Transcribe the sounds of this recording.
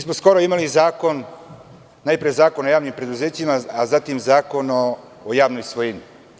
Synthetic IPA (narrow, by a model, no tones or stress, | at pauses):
miːsmosko̞ɾoimalizaːko̞n | naːjpɾijezaːkonojaːʋnimpɾe̞d̪uzeːt͡ɕimaazat̪imzaːko̞no | ojaːʋnojsʋojeni